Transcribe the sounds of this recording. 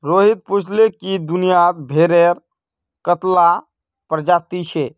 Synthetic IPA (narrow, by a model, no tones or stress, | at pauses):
ɾoɦit̪̚put͡ʃʰlekid̪unijad̪bʱeɾeɾ | kət̪la | pɾəd͡ʒat̪it͡ʃʰe